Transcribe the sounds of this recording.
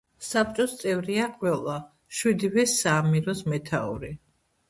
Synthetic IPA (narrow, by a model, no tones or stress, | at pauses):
sap̚t͡ʃʼɔst̪sʼɛvɾiaqʼwɛlˠa | ʃwid̪ivɛsaːmiɾɔsmɛt̪ʰa̰ṵɾi